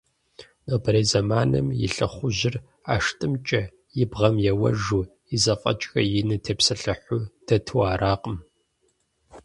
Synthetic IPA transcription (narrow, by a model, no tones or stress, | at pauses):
nobɐɾeːzɐmaːnɐ̰mjɪ̰ɬɨχʷʊʑɪr | aːʂtʼɨmt͡ʃʼɐ | jɪbʁɐmjɛwɐ̰ʒu | jizɐfʼɐ̰t͡ʃʼxɐjɪnɨtʰeːpsɐɬɨħʷʊd̥ɐtʰɨwaːɾaːqʼəm